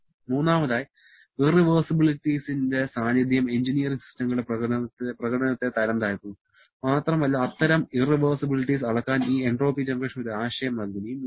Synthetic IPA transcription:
muːnːaːmɐðaːji | iriʋɐːsibiɭiʈːisinde̞saːnjɐd̪ʱjɐmend͡ʑinijɐriŋsi̥stɐŋɡɐɭeɐt̪ːprɐɣɐɽɐnɐt̪ːe̞t̪ɐɾɐmd̪aːɾik̪ːunːu | maːt̪rɐmɐlːaːt̪ːɐɾɐmiriʋɐːrsibiliʈːisɐɭɐkːaːniːeɳɖro̞ːpid͡ʑɐnɡɐkʂɐmoɾuaːɕɐjɐmnɐɡ̪ʱɐnijm

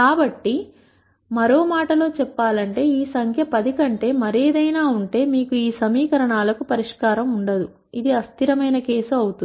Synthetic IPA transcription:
kaːbɐʈːi | mɐɾo̞ːmaːʈɐlo̞ːt͡ʃɛpːaːlɐɳʈe̞ːiːsɐŋkʰjɐpɐd̪ikɐɳʈe̞ːmɐɾeːd̪ɐjnaːuɳʈe̞ːmiːkuiːsɐmiːkɐɾɐɳaːlɐkupɐɾiʂkaːɾɐmuɳɖɐd̪u | id̪iɐst̪iɾɐmɐjnɐke̞ːsuɐwut̪u

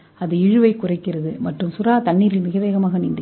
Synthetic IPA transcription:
ɐðɯɪɻɯʋɐɪkːʊrɐɪkːɪrɐðɯmɐʈrɯmsʊɾaːt̪ɐɳːiːɾɪlmɪɣɐʋeːɣɐmaːɣɐnɪɳɖɐ

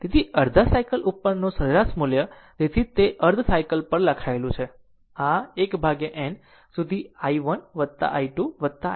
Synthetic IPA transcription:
t̪et̪ʰiəɾd̪ʱasaikəlʔupːəɾnõsəɾɾasmuljə | d͡ʒet̪ʰit̪eʔəɾd̪ʱsaikəlpəɾlakʰaelũt͡ʃʰe | aekbʱaɡeʔɛn | sud̪ʱiaiʋənʋət̪ːa̰ʔaiʈuʋət̪ːa

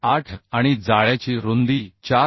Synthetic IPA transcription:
aʈʰaɽ̃id͡zaɭjat͡ɕiːɾond̪iːt͡ɕa

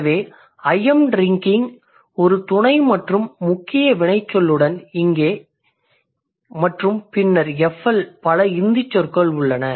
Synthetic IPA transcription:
ʋeː | ɐjɛmɾɪŋkɪŋ | ɔɾɯt̪ʊɳɐɪmɐʈrɯmːʊkːɪjɐʋɪɳɐɪt͡ʃːɔlːɯɽɐnɪŋɡeː | mɐʈrɯmpɪnːɐɾɛfɛlpɐlɐɪnd̪ɪt͡ʃːɔɾkɐɭʊɭːɐnɐ

